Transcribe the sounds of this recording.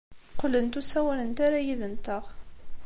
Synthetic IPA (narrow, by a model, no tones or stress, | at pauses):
qːlənt̪usæwælənt̪aɾajiðənt̪əʁ